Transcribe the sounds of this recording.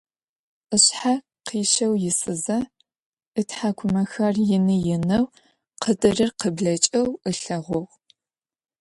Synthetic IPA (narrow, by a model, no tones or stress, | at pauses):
ʔəɕħa | qiːʃɐwjɪsɨzɐ | ɨtʰħakʷʰʊmɐxɐrjɪnɨjɪnɐw | qədʼɨrɨrqəbɮɐt͡ʃʼɐwəɬɐʁʷɔʁ